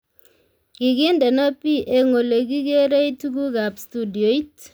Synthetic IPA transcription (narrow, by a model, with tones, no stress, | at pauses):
ki˨ke˦ndɛ˨na˦pi˦ʔe˨˦ŋo˨le˨ki˦ke˦ɾe˦i˦tu˦ɡu˦ka˨pstu˦di˨o˨˦i˦t